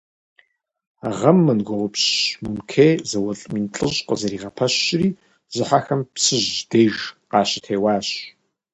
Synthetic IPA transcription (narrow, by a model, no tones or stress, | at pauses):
aʁɐmːɨnɡʷɔwɔpɕmunkʰejzɐwɐɬʼmiːnt͡ɬʼɨɕʼqəzɐɾiːʁɐpʰɐɕriː | z̥ɨħaxɐmpsɨʑd̥eːʒqɑːɕɪ̥tʰeːwɑːɕ